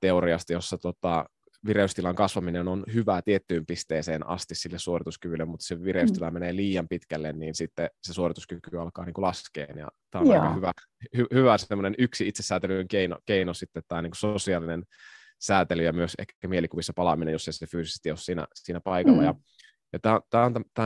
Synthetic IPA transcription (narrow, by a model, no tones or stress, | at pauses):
t̪eoɾiɑst̪ijosːɑt̪ot̪ɑ | ʋireust̪ilɑŋkɑsʋɑminenonhyʋæt̪iet̪ːyːmpist̪eːseːnɑ̰st̪issilːessuorit̪uskyʋylːømut̪ːseʋireyst̪ilɑmeneːliːjɑmpit̪kælːenniːnsit̪ːesesuorit̪uskykyɑlkɑ̰ːniːŋkulɑskḛːnjɑ̰t̪æːonnhyʋæ | hyhyʋæsemːonenyksiit̪sesːæːt̪elyŋkeino̰keinosit̪ːet̪t̪æːniːŋkusosiɑːlinen | sæːt̪elyjɑmyøsḛkːæmielikuʋisːɑpɑlɑminejosːeˑisefyːsisest̪iossiːnæ̰siːnæpɑikɑlːɑjɑ | jɑt̪æːot̪æːont̪æt̪æː